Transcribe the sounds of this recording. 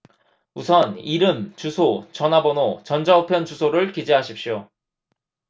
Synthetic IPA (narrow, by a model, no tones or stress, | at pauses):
usʰʌniɾɯmt͡ɕusʰot͡ɕʌnɦabʌnot͡ɕʌnd͡ʑaopʰjʌnt͡ɕusʰoɾɯɭkid͡ʑiɦaɕʰip̚ɕ͈io